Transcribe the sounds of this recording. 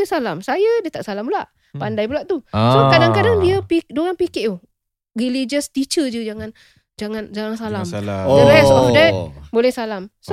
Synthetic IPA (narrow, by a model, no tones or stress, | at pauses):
ɛsalamsajədiət̪a̰ʔsalampulaʔ | pandajpulaʔt̪usokadaŋkadaŋdiəpiduɣaŋpikeʔu | rilid͡ʒəst̪it͡ʃəd͡ʒəd͡ʒaŋan | d͡ʒaŋand͡ʒaŋansalaməɾɛsɔdɛt̚bolɛhsalamso